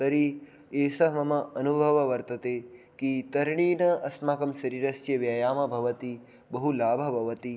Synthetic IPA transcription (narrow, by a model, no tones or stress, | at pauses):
t̪ɐɾi | eːsɐɦmɐmɐʔɐnubʱɐʋɐʋɐɾt̪ɐt̪eː | kit̪ɐɾɳiːnɐɐsmaːkɐmʃɐɾiːɾɐst͡ʃjɐʋjɐːjaːmɐbʱɐʋɐt̪i | bɐɦulaːbʱɐbʱɐʋɐt̪i